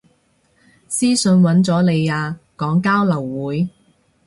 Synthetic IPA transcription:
siː˥sɵ˧nwɐ˨˥nt͡sɔː˨˥le˨˧jaː˧kɔː˨˥ŋkaː˥wlɐ˨˩wːuː˨˥j

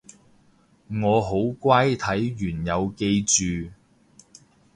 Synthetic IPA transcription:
ŋɔː˨˧ɦo˨˥wkʷaː˥jt̪ʰɐ˨˥jjyː˨˩njɐ˨˧wke˧jt͡ʃyː˨

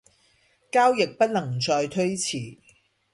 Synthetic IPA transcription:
kaː˥wjɪ˨k̚pɐ˥t̚lɐ˨˩ŋt͡sɔː˧jt̪ʰɵ˥ɥt͡sʰiː˨˩

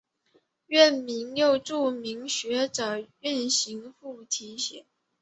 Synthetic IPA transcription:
ɥɛ˥˩nmi˧˥ŋjo˥˧ʊʈ͡ʂu˥˩mi˧˥ŋɕɥɛ˧˥ʈ͡ʂɤ˨˩y˥˩nɕi˧˥ŋfu˥˩t̪ʰi˧˥ɕɛ̰˨˩˦n

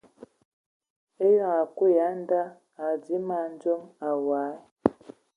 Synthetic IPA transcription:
e˦jɔ˦˨a˨ku˦ja˨˦nda˦ | a˨d͡zi˨˦ma˨nd͡ʒɔ˦a˨wa˨˦˨

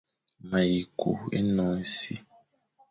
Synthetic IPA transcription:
mã˨ji˨kʰṵ˨ḛ˦nɔ̃˨˦n̩˦si˦

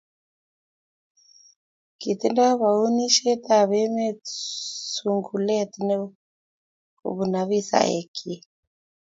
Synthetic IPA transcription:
ki˨t̪i˦nda˦βa˨u˦ni˦ʃɛ˦t̪a˨βɛ˦mɛ˦ | su˨ŋɡu˨lɛ˦t̪i˦nɛ˦ | ṵ˨βu˨na˨βi˦sa̰˨ḛ˨kʰi˦

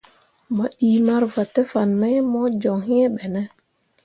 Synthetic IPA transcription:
ma˨ɗiː˨ma˦ɾva˨tɛ˦fa˨nmɛ˦jmɔ˦d͡ʒɔ˨ŋhi˦ɛ˦ɓɛ˨nɛ˦

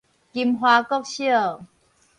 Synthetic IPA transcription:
ki˨mɦwaː˧kɔ˥k̚ɕi˥ə˨˩˨

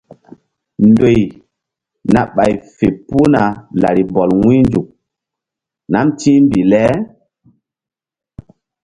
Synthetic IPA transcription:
ndo˨j | na˨ɓa˨jfe˨pu˦na˨la̰˨ɾi˨bɔ˨lwĩ˦nd͡ʒu˨k̚ | na˦mtĩ˦mbi˨lɛ˦

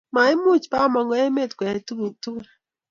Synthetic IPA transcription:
ma˨e˦mu˦˨t͡ʃpa˦˨mɔ˨ŋɡɔ˦e˦me˦˨t̪kwɛ˨tu˦u˨tu˦ɾ

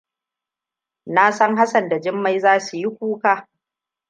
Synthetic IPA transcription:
naː˦sɐ˦ŋɦa˦sɐ˨nda˨d͡ʒɪ˦mːa˦jzaː˦su˨ji˦kʷuː˦kaː˦

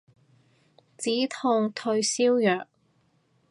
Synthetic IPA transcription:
t͡siː˨˥t̪ʰʊ˧ŋt̪ʰɵ˧ɥsiː˥wjœː˨k̚

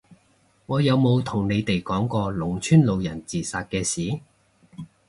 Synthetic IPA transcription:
ŋɔː˨˧jɐ˨˧wmo˨˧wt̪ʰʊ˨˩ŋne˨˧jt̪e˨jkɔː˨˥ŋkɔː˧lʊ˨˩ŋt͡ʃʰyː˥nlo˨˧wjɐ˨˩nt͡siː˨˩saː˧t̚kɛː˧siː˨˥

